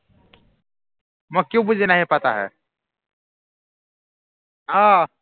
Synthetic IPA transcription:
məɡ̚kjũːbud͡ʑʱenaːɦipat̪aɦɛ̰ | ɦa

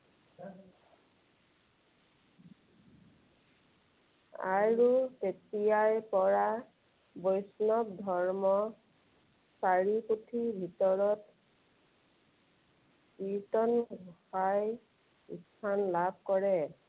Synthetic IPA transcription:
a̰ɹutetijajpɔɹa | bɔjsnɔbdʱɔɹmɔ | saɹiputʰibʱitɔɹɔt | pitɔnɡʱɔhaj | istʰanlabʱkɔɹɛ

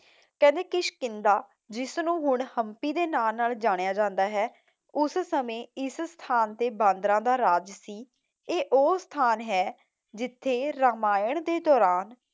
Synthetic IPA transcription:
kɛ̃ːnd̪eːkɪʃkɪnd̪aː | d͡ʒɪsnũːɦʊɳhəmpiːd̪eːnaːnaːld͡ʒaːɽ̃ejaːd͡ʒãːnd̪aːɦɛː | ʊssəmẽːɪsst̪ʰaːnt̪eːbãːnd̪ɾãːd̪aːɾaːd͡ʒsiː | eːʔoːst̪ʰaːnɦɛː | d͡ʒɪt̪ʰːeːɾamaːjəɳd̪eːd̪ɔːɾaːn

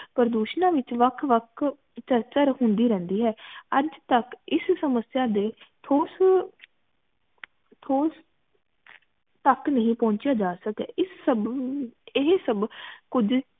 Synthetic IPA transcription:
pəɾd̪uːʃnãːʋɪt͡ʃʋəkʰʋəkʰ | t͡ʃəɾt͡ʃəɾɦʊnd̪iːɾɛ̃ːnd̪iːɦɛːəd͡ʒt̪əkɪssəməsjaːd̪eːt̪ʰoːs | t̪ʰoːs | t̪əknəɦĩːpɔ̃ːɲt͡ʃjaːd͡ʒaːsəkɛːɪsːəb | ɪɦsəbkʊd͡ʒ

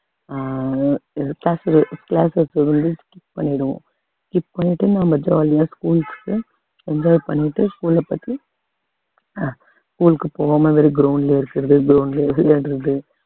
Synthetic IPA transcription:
klaːsɾklaːsɛsʋɐnd̪ɯkɪp̚pɐɳːɪɽɯʋõ̰ː | kɪppɐɳːɪʈːɯnãːʋɐd͡ʒaaːlɪjaːskuːlkːkːɯ | ɛɲd͡ʒaːpɐɳːɪʈːɯskuːlɐpːɐt̪ːi | skuːlɯkːɯpoːʋaːmɐʋeːɾiɡɾoʊnleɪɾɯkːɪɾɐðɯɡɾoːnleːlɽɪɾɐðɯ

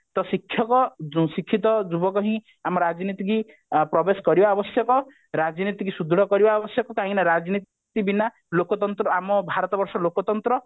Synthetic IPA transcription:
t̪ɔsikʰːjɔkɔsikʰːit̪ɔd͡ʒubɔkɔɦĩ | amɔɾad͡ʒnit̪iki | pɾɔbeskɔɾibaːbɔsjɔkɔ | ɾad͡ʒnit̪ikisud̪ɽɔkɔɾibaɔbɔsjɔkɔkaɦĩnaɾad͡ʒni | t̪ibina | lokɔt̪ɔnt̪ɾɔamɔbʱaɾɔt̪ɔbɔɾsɔlokɔt̪ɔnt̪ɾɔ

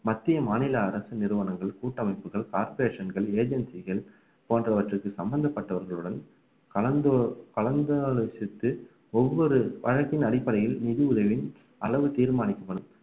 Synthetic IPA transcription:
mɐt̪ːɪjɐmaːnɪlɐːɾɐsɯnɪɾɯʋɐnɐŋɡɐɭkuːʈːɐmɐɪpːɯɣɐɭkaːɾpeːʂɐnɡɐɭeːd͡ʒɛnsɪɣɐɭ | poːndrɐʋɐʈrɯkːɯsɐmbɐnd̪ɐpːɐʈːɐʋɐɾɣɐɭɯɽɐn | kɐɐd̪kɐlɐnd̪ɐlɐsɪt̪ːɯ | ɔʋːɔɾɯʋɐ̰ɻɐkːɪnɐɽɪpːɐɽɐjɪlnɪðiʊðɐʋɪn | ɐlɐʋɯt̪iːɾmaːnɪkːɯpːɐɽɯm

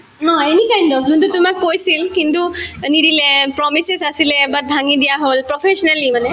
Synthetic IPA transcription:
ɔ̃enikajndɔpzuntutumakːojsilkintunidilepɹɔmisesasilebat̚bʱaŋidijaɦolpɹɔpʰesɔnalimanɛ

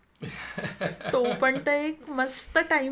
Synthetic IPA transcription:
t̪opəɳt̪əekməst̪əʈai

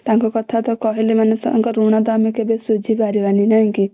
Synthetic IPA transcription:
t̪ãŋkokɔt̪ʰat̪ɔkɔɦilemanesŋkɔɾunad̪amekebesud͡ʒʱibaɾibaninãŋki

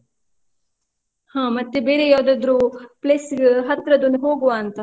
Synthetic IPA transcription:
hãːmɐt̪ːebeːɾejaːd̪ɐd̪ɾoplesɡɦɐt̪ɾəd̪unɦoːɡoaːnt̪aː

